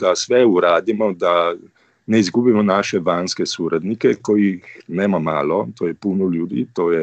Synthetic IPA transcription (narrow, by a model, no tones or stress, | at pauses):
d̪asʋɛuɾaːd̪imɔd̪a | nɛizɡuːbimɔnaːʃɛʋaːnskɛsuːɾad̪nikɛkɔjixnɛːmama̰ːlɔt̪ʰoːjɛpuːnɔljuːd̪ḭːt̪oːjɛ